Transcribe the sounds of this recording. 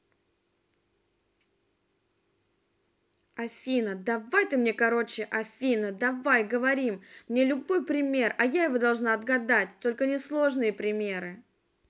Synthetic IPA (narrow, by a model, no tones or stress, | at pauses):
ɐfʲinəd̪ɐvajt̪ɨmnʲe̞kɐɾo̞t͡ɕɪʔɐfʲinəd̪ɐvajɡəvɐɾʲimmnʲe̞lʲʊbo̞jpɾʲɪmʲe̞rɐjajɪvo̞d̪ɐlˠʐnaɐd̪ɡɐd̪at̚ʲt̪o̞lʲkənʲɪslˠo̞ʐnɨjəpɾʲɪmʲe̞ɾɨ